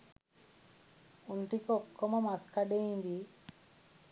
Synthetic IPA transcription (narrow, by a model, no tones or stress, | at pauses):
uɳʈikɔkːɔmamaskaɖejind̪i